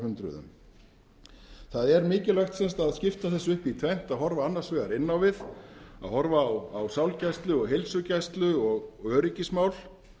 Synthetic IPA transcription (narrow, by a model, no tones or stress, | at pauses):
hʏnt̪ɾʏ̰ðʏ̰m | θaðɛɾmɪːcɪlajxt̪sɛnst̪aðscɪft̪aθɛsːʏhpit̪ʰvɛjn̥t̪aðɦɔɾvaanːaɾ̥svɛːɣaɾɪnːawvɪða̰ðhɔɾvawawsawlcajst̪lʏɔɣɦejlsʏcajst̪lʏɔɣœːɾɪcɪsmawl